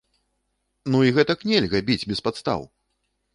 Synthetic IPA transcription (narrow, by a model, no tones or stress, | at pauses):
nuiɣɛt̪ɐknʲɛlʲɣɐbʲid͡zʲbʲɛspat̪st̪a̰w